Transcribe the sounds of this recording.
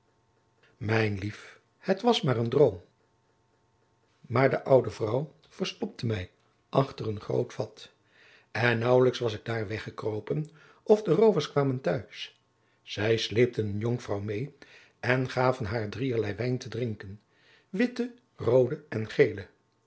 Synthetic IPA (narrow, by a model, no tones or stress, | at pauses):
mɛjnlif | hətʋɑsmaːrəndrowm | maːɹdəʔʌwdəvrʌw | v̥əɹstɔp̚təmɛj | ʔɑχtərənχro̰wtfɑt | ɛnːɑwləksʋɑsɪɡ̚daːɹʋɛχəkrowpən | ʔɔvdərowvəɹskʋaːməntœɥs | z̥ɛjslejp̚tənənjɔŋfrɑwmej | ɛnχaːvənɦaːɹdriəɹlɛjʋɛjntədrɪŋkən | ʋɪtə | rowdəɛnχejlə